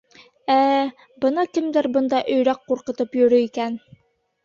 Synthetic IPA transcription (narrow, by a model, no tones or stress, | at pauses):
æ | bɤ̆nɑkɘ̆md̪ɘɾbɤ̆nd̪ɑʔɵ̆jɾɑqːuɾqɤ̆t̪ɤpjɵ̆ɾɵikæn